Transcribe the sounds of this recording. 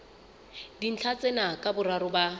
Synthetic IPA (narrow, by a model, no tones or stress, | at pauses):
din̩t͡ɬʰat͡sʼɛnakʼabʊraɾʊba